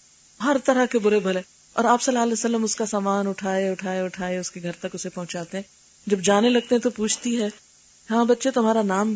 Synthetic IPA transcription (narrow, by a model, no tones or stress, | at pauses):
ɦɐɾt̪ɐɾakebʊɾebʱɐle | ɔ̰ːɾaːpsɐlːaːəlɛːsəlːəmʊskasaːmaːnʊʈʰaːeʊʈʰaːeʊʈʰaːeʊskeɡʱɐɾt̪ɐkʊsepɐ̃ɦʊ̃t͡ʃaːt̪eɦɛ̃ː | d͡ʒɐbd͡ʒaːnelɐɡ̚t̪eɦɛ̃t̪opuːt͡ʃʰt̪iɦɛː | ɦãːbɐt̪ːʃet̪ʊmaːɾanaːm